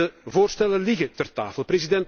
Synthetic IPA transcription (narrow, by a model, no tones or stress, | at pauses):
əvoːrstɛlənlɪɣət̪ɛrta̰ːfəlˠprezidɛnt